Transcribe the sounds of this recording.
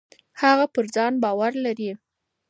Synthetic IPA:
haɣapəɾd͡zɑnbɑwaɾlaɾi

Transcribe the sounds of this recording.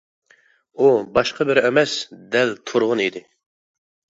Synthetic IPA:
ubɑʃqʰɑbɪɾɛmɛsd̪ɛlt̪ʰuɾʁʊnid̪ɪ

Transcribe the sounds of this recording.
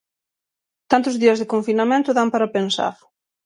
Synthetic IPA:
t̪ant̪ʊzðiɐzðekoɱfinamẽnt̪ʊðampaɾapensa̰ɾ

